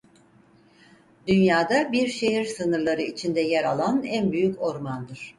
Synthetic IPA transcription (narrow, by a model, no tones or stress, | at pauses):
d̪ynjaːd̪abiɾʃeɦiɾsɯnɯɾlˠaɾɯit͡ʃʰind̪ɛjæɾalˠanænbyjyco̞ɾmand̪ɯɾ̥